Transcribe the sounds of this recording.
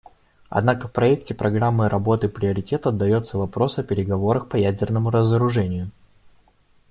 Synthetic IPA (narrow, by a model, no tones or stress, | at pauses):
ɐ̰d̪nakəfpɾɐɛk̚tʲɪpɾɐɡɾamːɨɾʔɐbo̞t̪ɨpɾʲɪəɾʲɪtʲe̞t̪ɐd̪ːɐjo̞t̪səvɐpɾo̞sɐpʲɪɾʲɪɡɐvo̞ɾəxpɐjædʲɪrnəmʊɾəzəɾʊʐɛnʲɪjʊ